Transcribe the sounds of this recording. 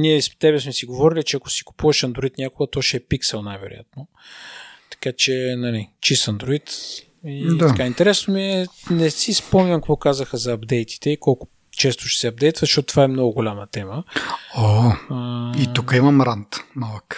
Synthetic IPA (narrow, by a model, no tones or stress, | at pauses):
niɛst̪ɛbɛsmɛsiɡovɔɾilit͡ʃɛɐkʊsi̥kʊ̥puvɐʃɐnd̪ɾoit̪nʲakʊɡət̪ɔʃɛɛpiksɛlˠnajvɛ̰ɾʊ̰ja̰t̪no | t̪ɐ̥kat͡ʃɛnɐlit͡ʃist̪ɐnd̪ɾoit̪ | id̪akaint̪ɛɾɛsnomiɛnɛsispɔmɲʲɐmkvɔkazəxəzɐːbd̪ɛjt̪i̥t̪ɛikɔlˠkʊ̥ | t͡ʃɛst̪ʊ̥ʃɛ̥sɛɐb̚d̪ɛjt̪vzʃtoɔt̪t̪ːvaɛmnɔɡʊɡolʲamət̪ɛməo | it̪ukəimɐmɾant̪malˠək